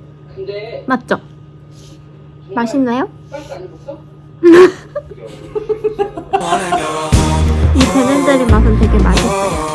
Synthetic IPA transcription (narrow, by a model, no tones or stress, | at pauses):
mat̚t͡ɕ͈ʌ | maɕʰinːajo | ipenend͡ʑaɾimas̬ɯmtweɡe̞ma̰ɕʰit̚t͡ɕ͈ojo